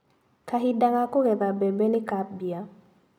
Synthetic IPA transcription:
kaɦɪdaŋakʊɡɛdabebenɪkap̚bja

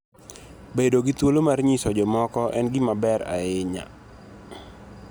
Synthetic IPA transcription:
bedoɡɪt̪wolomarɲisɔd͡ʒɔmɔkɔʔɛnɡɪmabɛɾa̰ɪɲa̰

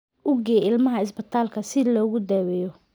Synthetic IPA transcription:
ʊɡɛːɪlmɐɦɐɪsbɐt̪ʰaːlkʰɐsɪlɔːɣʊd̪ɛːwɛjɔ

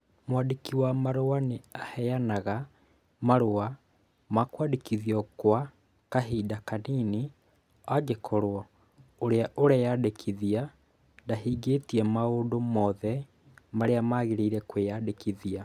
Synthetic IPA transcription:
mwadekiwamaɾowaneahɛjanaɣa | maɾoa | makwaːdekiðiɔkwa | kaɦiːdakaniːni | aɡekʰɔɾoɔ | oɾeaʔoɾɛjadekʰiðia | daɦiːɡetiɛmaodomɔðɛ | maɾeamaɣeɾeiɾɛkwejadekiðia

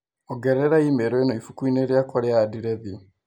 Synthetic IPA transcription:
ɔɡɛɾɛɾaimeɾɔinoifukuineɾjakwaɾeaːdiɾeðiɔ

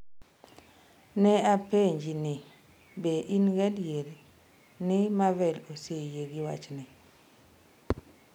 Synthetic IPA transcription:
nɛapeɲd͡ʒinɪ | beʔinɡɛdjeɾe | nɪmavɛlosejeɡɪwa̰t͡ʃnɪ

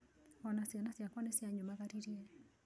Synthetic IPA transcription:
anasianasjakwanesjaɲomaɣaɾiɾiɛ

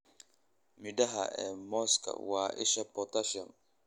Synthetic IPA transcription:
midaɦa̰ɛ̰mɔskʰa̰waːʔɪʃɛpɔtaʃɔ̃n

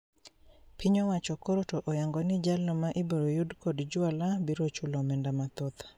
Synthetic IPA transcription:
pʰiɲɔwat͡ʃɔkoɾotoʔɔjaŋɡɔnɪd͡ʒalomaʔiboɾojudkodd͡ʒʊalabiɾot͡ʃulɔmɛndamat̪ɔt̪

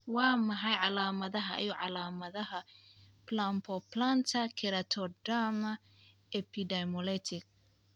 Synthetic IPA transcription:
wɑːmɐħɑjʕɑlaːmɐðɐɦɐʔɛjʊʕɑlaːmɐðɐɦɐ | plampʰɔpʰlant̪ʰɐkʰɪɾɐt̪ʰɔdamɐ | ɛpʰidɛmɔlɛt̪ʰɪk̚

